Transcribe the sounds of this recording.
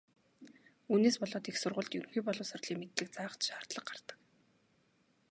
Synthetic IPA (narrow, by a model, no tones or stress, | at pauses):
uːneːspɔɮɔːt̪exsʊrʁʊ̆ːɮt̪jɵnxujpɔɮʊːsʊrʲɮiːŋmet̪ɮɘ̆k̚t͡saːʁət̪ʃaːr̥t̪ɮə̆q̚ɢart̪ə̥̆k